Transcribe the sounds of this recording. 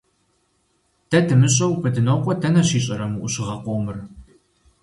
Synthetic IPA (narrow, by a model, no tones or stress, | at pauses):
tʰɐtʰɨmɨɕʼɐwpʰɨtʰɨnoqʷɔtʰɐnɐɕiːɕʼɐɾɐmuʔʷuɕɪʁɐqʷoːmɨr